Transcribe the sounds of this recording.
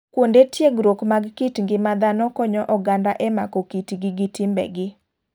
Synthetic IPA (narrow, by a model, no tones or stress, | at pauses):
kwondetjeɡɾokmaɡkitŋɡɪmad̪anɔkɔɲɔʔɔɡandaʔɛmakɔkitɡɪɡɪtɪmbɛ̰ɡɪ